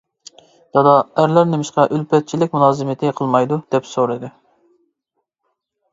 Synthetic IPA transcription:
d̪̥ɑd̪ɑæɾlæɾnɪmɪʃqɑʔylpʰɛt̪̚t͡ʃʰilɪkʲmulˠɑːzɨmɪt̪ʰɪqʰəlˠmɑjd̪ud̪̥ɛpsoɾɨd̪ɨ

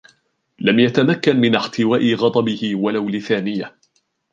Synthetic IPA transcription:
lamjat̪amakːanmɪnʔɪħt̪ɪwaːʔɪɣɑd̪ˤɑbɪhɪwalawlɪθaːnɪja

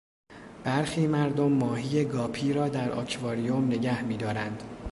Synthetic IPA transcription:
b̥æɾxiːmæɾd̪omːɒːɦiːje̞ɡɒːpʰiːɾɒːd̪æɾʔɒ̰ːcʰvɒːɾijomne̞ɟæhmiːd̪ɒːɾænd̪̥

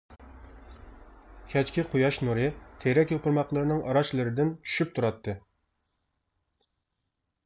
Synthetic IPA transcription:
kʲʰɛt͡ʃkʲɪqʰujɑʃnuɾɨt̪ʰeɾɛkʲjopɨɾmɑqlˠɨɾɨnɨŋʔɑɾɑʃlˠɨɾɨd̪ɪnt͡ʃʰy̥ʃyp̚t̪ʰuɾɑt̪ːɨ

